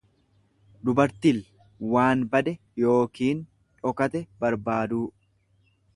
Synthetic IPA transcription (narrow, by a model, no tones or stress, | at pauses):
d̪ʊbɐɾt̪il | waːnbɐd̪ɛ | jo̞ːkiːn | ᶑɔkɐt̪ɛbɐɾbaːd̪uː